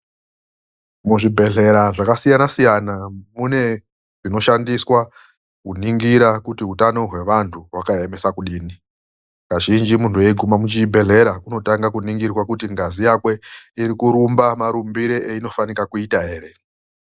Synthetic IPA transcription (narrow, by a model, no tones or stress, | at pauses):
muʐibʱe̞ɮe̞ɾaʐakasijanasijanamune̞ | ʐino̞ʃandiswa | kuniŋɡiɾakutiɦutano̞ɦwe̞ʋantʰuɦwakaeme̞sakuɗiːni | kaʒind͡ʒimuntuje̞iɡʱumamut͡ʃibʱe̞ɮe̞ɾakuno̞taŋɡakuniŋɡirwakutiŋɡazijakwe̞iɾikuɾumbamaɾumbiɾeʔeino̞fanikakuitaɦe̞ːɾe̞